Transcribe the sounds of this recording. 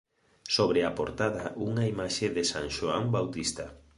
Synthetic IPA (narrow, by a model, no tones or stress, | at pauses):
soβɾeapo̰ɾt̪aðaʔuŋaimaʃeðesaŋʃoambawt̪ist̪a